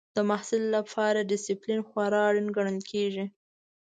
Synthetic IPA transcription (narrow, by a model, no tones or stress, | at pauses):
d̪̥əmahsɪlːapʰɑɾaɖɪsɪplinxwaɾɑɽunɡaɳ̃əlkʰeʒi